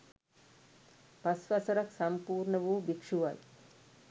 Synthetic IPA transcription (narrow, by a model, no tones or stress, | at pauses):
pasʋasɐɾɐksampuːɾɳəʋuːbikʂuʋaj